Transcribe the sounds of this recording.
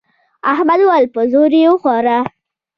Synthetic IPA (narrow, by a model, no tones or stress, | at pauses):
ahmad̪walpəzoɾiwəxwɑɾa